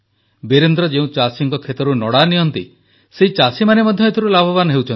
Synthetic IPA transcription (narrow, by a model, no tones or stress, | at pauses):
beɾend̪ɾɔd͡ʒeũt͡ʃasiŋkɔkʰet̪ɔɾunɔɽaniɔnt̪ḭ | seɦit͡ʃasimanemɔd̪ʱjɔet̪ʰɔɾulabʱɔbanɔɦewt͡ʃʰɔn